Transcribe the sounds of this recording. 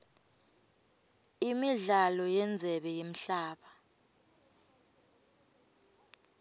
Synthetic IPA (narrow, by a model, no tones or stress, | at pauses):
imiɮalɔjɛnd͡zʱɛɓɛjem̩ɬaːɓa